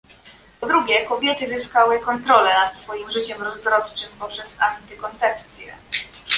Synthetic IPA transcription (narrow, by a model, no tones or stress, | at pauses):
pɔd̪ɾuɡʲjɛkɔbʲjɛt̪ɘzɘskawɘkɔnt̪ɾɔlɛnat̪sfɔjimʐɘt͡ɕɛmɾɔzvɾɔt̪t͡ʂɘmpɔpʂɛsant̪ɘkɔnt̪sɛpt̪sʲjɛ̰